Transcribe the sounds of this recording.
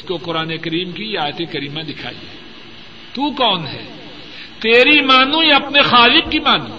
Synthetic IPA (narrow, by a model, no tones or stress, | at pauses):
skoqʊɾaːnekɐɾiːmkiaːjət̪ekɐɾiːmãd̪ɪkʰa̰ːḭḛː | t̪ukɔːnɦɛ̰ː | t̪eːɾimaːnũjaɐpnexaːlɪq̚kimaːnṵ̃